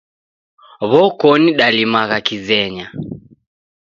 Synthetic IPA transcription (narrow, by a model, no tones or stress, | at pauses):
βɔkɔniɗalimaɣakizɛɲa